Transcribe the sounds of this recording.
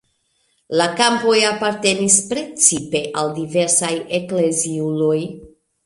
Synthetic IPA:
lakampo̞japaɾte̞nispɾe̞t͡sipe̞ʔaldive̞ɾsajekle̞ziuloj

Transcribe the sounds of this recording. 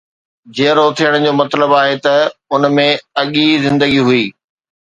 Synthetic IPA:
d͡ʑeːɾot̪ʰijəɽ̃d͡ʑoːmɐt̪ləbaːɦet̪ɐʊnmẽɐɠizɪ̃nd̪əɡiɦʊiː

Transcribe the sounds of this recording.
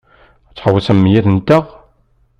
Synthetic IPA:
t͡sːħəwəsæmːjæθənt̪ːəʁ

